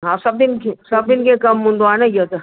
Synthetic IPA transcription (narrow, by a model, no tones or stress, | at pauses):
ɦãsɐb̚d̪ɪnkesɐb̚d̪ɪnkekɐmːʊ̃nd̪ʋaːnejət̪e